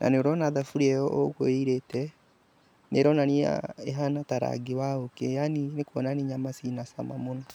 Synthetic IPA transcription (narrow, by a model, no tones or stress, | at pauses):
nʔa̰neoɾɔnaðafuɾiɛjɔʔokoiɾetɛ | neɾɔnania̰eɦanataɾa̰ɡiwaokejaninekwɔnaniɲamasinasa̰ma̰mona